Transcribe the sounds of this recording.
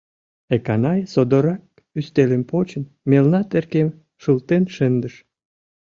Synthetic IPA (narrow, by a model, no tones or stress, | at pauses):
ekɑnɑjsod̪oɾɑk̚ | yst̪elempot͡ɕən | melnɑt̪erkem | ʃult̪enʃənd̪əʃ